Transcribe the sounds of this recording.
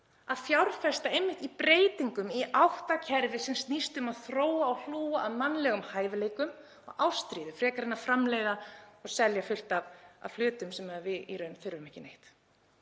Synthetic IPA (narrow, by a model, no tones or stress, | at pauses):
aðfjawɾfɛst̪aejmːɪht̪ipɾeːjt̪iŋkʏmiʔawht̪acʰɛɾvɪsɛmst̪nist̪ʏmaðθɾoːwaːwl̥uːaʔaðmanːlɛɣʏmhaːjvɪleːjkʏm | ɔɣawst̪ɾiːðʏfɾɛːkaɾɪnːafɾamlejðaɔɣsɛljafʏl̥t̪ava̰v̥flʏːt̪ʏmsɛmɛðavɪiɾœɥnθʏɾvʏmɛhcɪnejht̪